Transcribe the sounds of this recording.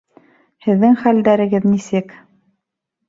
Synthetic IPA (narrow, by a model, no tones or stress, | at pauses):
hɘ̆ðːɘŋχæld̪æɾɘ̆ɡɘðnisɘk